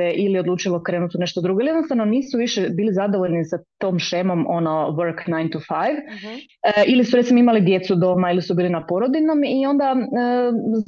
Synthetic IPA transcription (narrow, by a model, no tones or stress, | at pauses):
eʔiliod̪luːt͡ʃilˠokɾe̞ːnut̪une̞ʃt̪od̪ɾuɡo̞ilijd̪nost̪aʋnoniːsuʋiʃebiːlizad̪o̞ʋoʎnisat̪oːmʃemo̞monoʋəɾknajnt̪ufajʋ | ilisuɾe̞t̪simo̞imalid̪je̞t̪sud̪o̞ːmailisubiːlinapoɾod̪inomio̞nd̪aə